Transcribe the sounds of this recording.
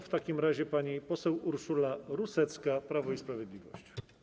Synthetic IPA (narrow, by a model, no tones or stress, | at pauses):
ft̪akʲimɾaʑɛpaɲipɔsɛwuɾʂulaɾusɛt̪skapɾavɔispɾavʲjɛd̪lʲivɔ̰ɕt͡ɕ